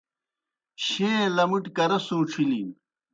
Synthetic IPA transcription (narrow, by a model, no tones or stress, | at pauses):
ɕẽːlɐmiʈkɐɾɐsuːʈ͡ʂʰiliːn